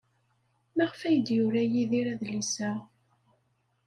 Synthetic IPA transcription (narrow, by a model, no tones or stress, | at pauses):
mæʁfæjəd̪jʊɾæjiðiɾæðlisæ